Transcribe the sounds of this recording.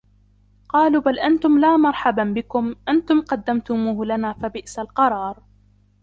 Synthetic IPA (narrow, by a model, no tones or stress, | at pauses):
qɑːluːbalʔant̪ʊmlaːmɑɾˤħɑbanbɪkʊmʔant̪ʊmqɑd̪ːamt̪ʊmuːhlanaːfabɪʔsalqɑɾˤɑːɾˤ